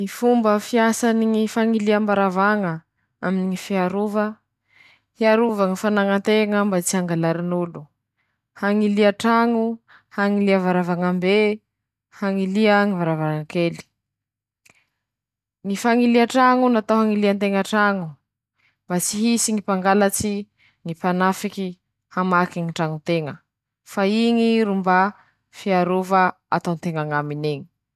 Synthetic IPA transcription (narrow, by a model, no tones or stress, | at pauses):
nifumbəfiasaniŋifaŋiliambaɾavaŋə | aminiŋifiaɾuvə | hiaɾuvaŋifanaŋənt̪eŋəmbat͡siaŋɡalaɾinulu | haŋiliaʈ͡ʂaŋu | haŋiliavaɾavaŋambe | haŋiliəŋivaɾavaŋəkeli̥ | ŋifaŋiliaʈ͡ʂaŋunat̪oɦaŋiliant̪eŋaʈ͡ʂaŋu | mbat͡siɦisiŋipaŋɡalat͡si | ŋipanafiki | hamakiŋiʈ͡ʂaŋut̪eŋə | faiŋiɾumba | fiaɾuvə | a̰t̪ont̪eŋaŋamineɲi̥